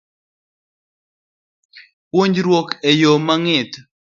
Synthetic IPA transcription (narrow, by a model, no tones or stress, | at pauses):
pwoɲd͡ʒɾwɔkejomaŋɪt̪